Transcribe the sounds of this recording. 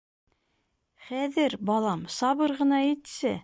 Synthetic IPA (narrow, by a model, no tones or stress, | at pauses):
χæðɘɾbɑlˠɑmsɑβɤɾʁɤ̆nɑit̪sɘ